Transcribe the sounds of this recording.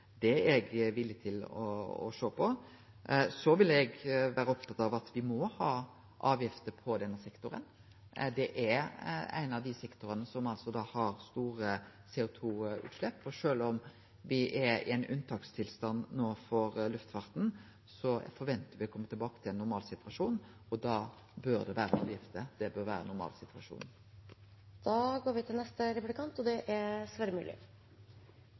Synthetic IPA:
d̪ɛɛɡʋɪlːjət̪ʰɪlɔ̰ɔ̰ʂøːpʰɔ | sɔʋɪlɛɡʋæːɾəɔp̚t̪ʰɑt̪ːɑʋɑt̪ʋɪmɔhɑː | ʔɑːʋjɪft̪əpʰɔd̪ɛnːəsɛkt̪ʊɾə̰n | d̪ɛʔæɾæ̰ɪnɑʋd̪ɪsɛkt̪ʊɾənəsɔmɑlsɔd̪ɑːhɑɾst̪uːɾəseːʊt̪ʰuːʉ̰ːt̪ʂlɛpːɔʂøːlɔm | ʋɪʔɛɾɪ̰ɛɪnʔʉnt̪ʰɑːkst̪ʰɪlst̪ɑnːnoːfɔɾlʉft̪fɑɾt̪n̩ | sɔfɔɾʋɛnt̪əɾʋɪɔkʰɔmːət̪ɪlbɑːkə̥t̪ʰɪlɛnːʊɾmɑːlsɪt̪ʰʉʋɑʂuːn | ɔd̪ɑː | bøːɾd̪ɛʋæːɾənɑ̰ʋjɪft̪əd̪ɛbøːɾʋæːɾə̰nːʊɾmɑ̰ːlsɪt̪ʰʋɑʂṵːn | d̪̥ɑːɡoːɾʋɪt̪ʰɪlnɛst̪əɾɛplɪkʰɑnt̪ɔd̪ɛʔæɾsʋæːɾəmʉːlɪ̰

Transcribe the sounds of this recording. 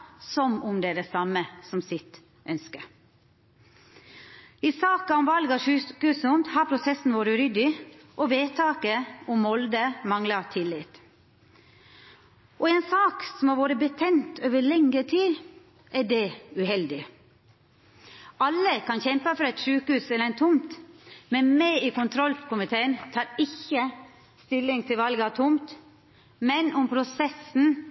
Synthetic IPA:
sɔmʊmd̪ɛæːɖɛsɑməsɔmsɪt̪ | ʔœnskəɾ | isɑːkɑʊmʋɑlɡɑʂʉːkʉːsʊnt̪hɑɾpʰɾʊsɛsn̩ʋoːɾəɾʏd̪ɪʔɔʋeːt̪ʰɑːkəʊmːɔld̪əmɑŋlɑt̪ʰɪlːɪt̪ | ʔɔeːnsɑːksɔmhɑɾʋoːɾəbət̪ʰɛnt̪ʰøːʋəɭɛŋəʈʰiː | ʔæɖɛʉhɛld̪ɪ | ʔɑlːəkʰɑnçɛmpəfɔɾɛt̪ʂʉːkəhʉːsɛləɾɛnt̪ʰʊmt̪mɛnmɛɪiːkʊnt̪ʰɾɔlkʰʊmɪt̪ʰeːənt̪ʰɑːɾɪçːə | st̪ɪlːɪŋt̪ʰɪlʋɑlɡɑt̪ʰʊmt̪ | mɛnʊmpʰɾʊsɛsn̩

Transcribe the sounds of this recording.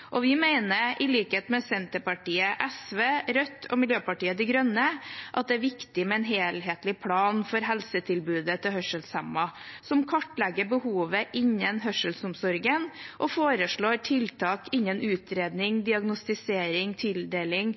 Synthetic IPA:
ʔɔʋɪmæɪnəʔɪliːkeːt̪mɛsɛnt̪əpɑʈiːəʔɛsʋeːɾœt̪ʰːɔ̰mɪljøːpɑʈiːəd̪ɛɡɾœnəʔɑt̪̚d̪ɛæːɾʋɪkt̪ɪmɛɛnɦeːlɦeːt̪lɪpʰɽɑːnfɔɾɦɛlsət̪ʰɪlbʉːd̪ət̪ʰɪlhœʂəlsɛmːɑsɔmkʰɑʈːlɛɡːəbəhuːʋəʔɪɲːənɦœʂəlsʊmsɔɾɡənʔɔfoːɾəʂɭoːɾʈʰɪlt̪ʰɑːkɪɲːənʔʉːt̪ɾeːd̪nɪŋd̪ɪɑɡnʊst̪ɪseːɾɪŋt̪ʰɪld̪eːlɪŋ

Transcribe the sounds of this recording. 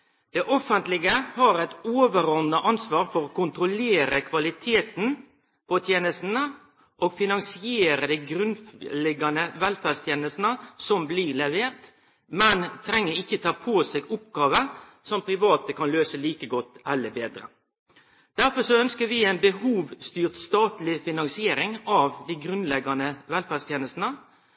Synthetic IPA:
d̪̥ɛʔɔfːənt̪lɪɡəhɑɾæɪt̪oːʋəɾɔnɑʔɑnsʋɑːɾfɔɾoːkʊnt̪ɾʊleːɾəkʰʋɑlɪt̪ʰeːt̪n̩ | pʰɔt̪ʰjeːnəst̪n̩ə | ʔoːɡfɪnɑŋsɪeːɾəd̪æɪɡɾʉnlɛɡːɑnəʋɛlfæɾst̪ʰjeːnəst̪n̩əsɔmblɪlɛʋeːɾt̪ | mɛnt̪ʰɾɛŋːəɾɪçːət̪ʰɑːpʰoːseːɡʊpɡɑːʋə | sɔmpʰɾɪʋɑːt̪əkʰɑnløːsəliːkəɡɔt̪ːɛlːəbeːd̪ɾə̰ | d̪̥æɾfɔʂɔœnskəʋɪːæɪnbəhuːʋst̪yːʁt̪st̪ɑːt̪lɪfɪnɑŋsɪeːɾɪŋɑʋd̪iɡɾʉnlɛɡːɑnəʋɛlfæʁst̪jeːnəst̪nə

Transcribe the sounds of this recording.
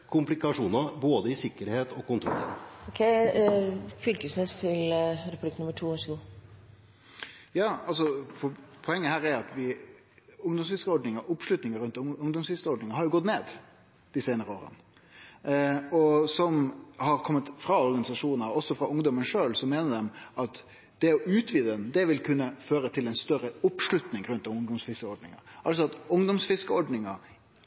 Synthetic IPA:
kʰʊmplɪkɑʂuːnɑboːd̪əɪsɪkːəɾheːt̪ɔkʊnt̪ʰɾɔ̰lḛɔkʰɛɪ | fʏlkəsneːst̪ʰɪlɾɛpʉb̪ɪkənʊmːəʈʰuːhɑɾʂɔɡuː | jɑːɑls̬ɔpʰɔpʰɔɛŋːəhæːɾɛɾɑt̪ʋɪ | ʊŋd̪ɔmsʋɪskəɔɖɳɪŋəʔʊpʂlʉt̪nɪŋəɾʉnt̪ʊŋd̪ɔmsʋɪskəɔɖɳɪŋəhɑɾjʊɡɔt̪neːd̪ | d̪̥ɪseːnəɾəoːɾə̰n | ɔsɔmhɑɾkʰɔmːət̪fɾɑɔɾɡɑnɪsɑʂuːnnəɾɔsɔfɾɑʔʊŋd̪ɔmənʂøːlsɔmeːnəd̪ɛmɑt̪ | d̪̥ɛɔʔʉːt̪ʰʋiːd̪ɛnd̪ɛʋɪlkʰʉnːəføːɾət̪ʰɪlɛnst̪œɾəʊpʂlʉt̪nɪŋɾʉnt̪ɑʊŋd̪ɔmsfɪskəɔɖɳɪŋə̰ʔɑls̬ɔɑt̪ʊŋd̪ɔmsfɪskəɔɖɳɪŋɑ

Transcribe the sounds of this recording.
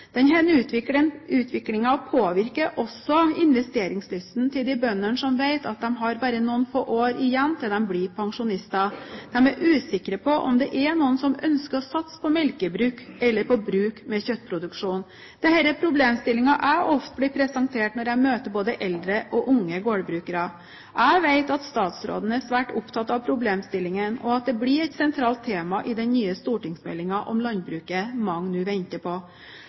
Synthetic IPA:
d̪̥ɛnɦɛnʉːt̪ʋɪk̪ɪnʉːt̪ʰʋɪklɪŋɑpʰoːʋɪɾkəʔɔsːɔɪnʋɛst̪eːɾɪŋslʏst̪n̩t̪ʰɪld̪ɪbœnːəɳʂɔmʋeɪt̪ɑt̪̚d̪ɛmɦɑɾbɑːɾənuənfo̰ːʔoːɾɪjɛnːt̪ʰɪld̪ɛmblɪpʰɑŋʂʊnɪst̪ɑd̪̥ɛmæɾʔʉːsɪkːɾəpʰɔʔɔ̰md̪ɛʔænuːənsɔmœ̰nskəɾɔsɑt̪spʰɔmɛlkəbɾʉːkɛlːəɾpʰɔbɾʉːkmɛçœt̪ːpʰɾʊd̪ʉkʂuːn | d̪̥ɛhɛɾəpʰɾʊbleːmst̪ɪlɪŋɑʔæʔɔft̪̚blɪpʰɾɛsɑŋt̪ʰeːʈnɔɾæmøːt̪əɾboːd̪əʔɛld̪ɾəʔɔʔʊŋːəɡoːɽbɾʉːkəɾɑ | ʔæɪʋæɪt̪ɑt̪st̪ɑːt̪sɾo̰ːd̪ən̩æsʋæːʈʊpt̪ʰɑt̪ːɑʋpʰɾʊbleːmst̪ɪlːɪŋənɔɑt̪̚d̪ɛblɪɾɛɪt̪sɛnt̪ʰɾɑːlt̪ʰːeːmɑʔɪd̪ɛnnyːəst̪uːʈɪŋsmɛ̰lːɪŋɑʔɔmlɑnbɾʉːkəmɑŋnʉːʋɛnt̪əpʰɔ

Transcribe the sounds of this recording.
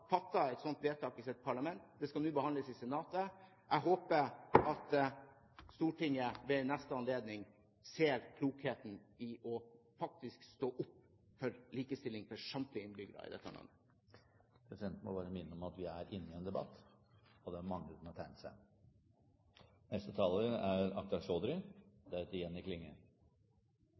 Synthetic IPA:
fɑt̪ːɑɛt̪sɔnt̪ʋeːt̪ʰɑːkɪsɛt̪̚pʰɑɭɑmɛnt̪d̪ɛskɑnʉːbəhɑnləsɪsɛnɑːt̪ə | ʔæɦoːpəɾɑt̪ | st̪uːʈʰɪŋəʋɛnɛst̪əɑnleːd̪nɪŋ | seːɾkʰluːkheːt̪n̩ɪʔɔfɑk̚t̪ɪskst̪oːʔʊpː | fɔɾliːkəst̪ɪlːɪŋfɔʂɑmt̪lɪɪnbʏɡəɾɑ̰ɪ̰d̪ɛ̰t̪ːɑ̰nɑ̰n | pʰɾɛsɪd̪ɛnt̪nmɔ̰bɑːɾəmɪnːəɔmɑt̪ʋɪæɾɪnːɪɛnd̪ɛbɑ̰t̪ː | ɔd̪ɛæɾmɑŋːʉt̪nɛt̪ʰæɪnsæɪ | nɛst̪ət̪ʰɑːləæɾɑk̚d̪ɑʂoːd̪ɾɪd̪æt̪ɪjɛnːɪklɪŋːə̰

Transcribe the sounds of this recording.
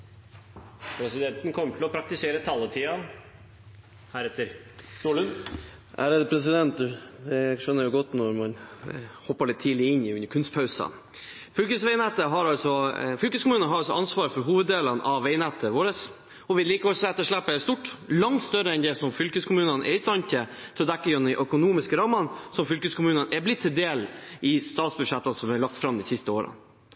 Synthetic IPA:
pʰɾɛsɪd̪ɛnt̪ənkʰɔmːəʈɪlɔpʰɾɑk̚t̪ɪseːɾət̪ʰɑlːət̪ʰiːɑn | hæːɾɛt̪ːəɾst̪uːlʉnʔæ̰ɾɛt̪pʰɾɛs̬ɪd̪ɛnt̪̚d̪ʉd̪ɛʂœnːəɾjʊɡɔt̪ːnɔɾmɑnhɔpːəɭɪt̪t̪ʰiːlɪɪnːɪʉnːəɾkʰʉnst̪pʰɑʉsɑ̰n | fʏlkəsʋɛɪnɛt̪ːəɦɑɾɑlsɔfʏlkəskʊmʉːnənɦɑɾɑlsɔʔɑnsʋɑːɾfɔɾɦuːʋəd̪eːlənʔɑʋːɛɪnɛt̪ːəʋoːɾəs | ɔʋɪliːkəɔlsɔɛt̪ːəʂlæpːəst̪uʈːlɑŋt̪st̪œɾəɛnd̪ɛsɔmfʏlkəskʰʊmʉːnənʔɛ̰ɾɪst̪ɑnçət̪ʰɪlɔd̪ɛkːəjɔnːɪʔœkʊnuːmɪskəɾɑːmənsɔmfʏlkəskʰʊmʉːnənɛblɪt̪ʰːɪld̪eːlɪst̪ɑːt̪sbʉd̪ʂɛt̪ːənsɔmhɛɭɑk̚t̪fɾɑmd̪ɪsɪst̪əoːɾə̰n

